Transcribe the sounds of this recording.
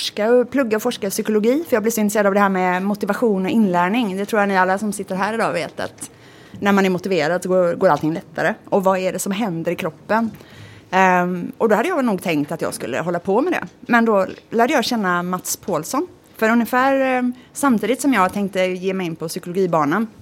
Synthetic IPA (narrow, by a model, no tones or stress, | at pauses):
fɔʂkaɔpʰlɵɡːaɔfɔʂkaɾɪsʏkʊlʊɡiːfœjɑːɡb̪lɪɾsɔɪnɾseːɾad̪avd̪ɛhæːɾmɛmʊt̪ɪvaɧuːnɔɪnːlæːɳɪŋd̪ɛt̪ʰɾuːɾjanɪalːasɔmsɪt̪ːəɾɦæːɾɪd̪ɑ̰ːvḛːt̪a̰t̪ | næɾmanæɾmʊt̪ɪveːɾad̪sɔɡoːɡoːɾalt̪ɪŋlɛt̪ʰːaɾəɔvɑæɖɛsɔmɦɛnd̪əɾɪkʰɾɔpːən | ɔd̪ɔhad̪əjɑːɛlnuːɡt̪ʰɛŋk̚t̪at̪jɑ̰ːɡskɵ̰lːə̰ɦɔlːapʰɔmɛd̪ɛ̰mɛnd̪ɔlæːɖəjɑːɡɕɛnːamat̪spʰoːlsɔn | fœɾɵnjəfæːɾsamt̪ʰiːd̪ɪt̪sɔmjɑːɡt̪ʰɛŋk̚t̪əjeːmɛjɪnːpʰɔsʏkʊlʊɡiːbɑːɳən